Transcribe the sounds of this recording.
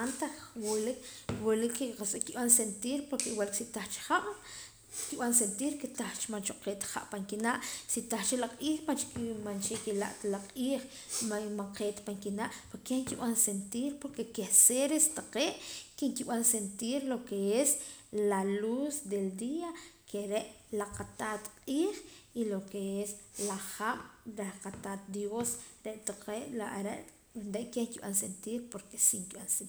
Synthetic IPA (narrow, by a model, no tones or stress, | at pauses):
ant̪aχwulikwolikːskiɓansent̪iːɾpoɾkewaliksit̪aχt͡ʃi̥χaʔ | kiɓans̬ent̪iːɾkit̪aχt͡ʃmant͡ʃoqeːʔt̪χa̰ʔpaŋkinaʔsit̪aχt͡ʃelaqʼiːχmant͡ʃkmant͡ʃekila̰ʔt̪alaqʼiːχ | mamaŋqeːʔt̪paŋkinaʔpoɾkeŋkiɓansent̪iːɾpoɾkekehseɾest̪aqeːʔkiŋkiɓansent̪iːɾlokeeslalusd̪eld̪iːakeɾeʔlaqat̪aːt̪qʼiːχilokeeslaχaɓ̥ɾaqat̪at̪̚d̪josɾeʔt̪aqeːʔlaʔɾeʔ | nɾeʔkehŋkiɓa̰ns̬ent̪iːɾpoɾke̥siŋkiɓans